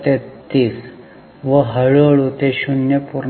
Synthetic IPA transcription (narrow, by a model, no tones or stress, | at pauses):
t̪et̪iːs | ʋəɦəɭoɭut̪eɕunjəpuɾ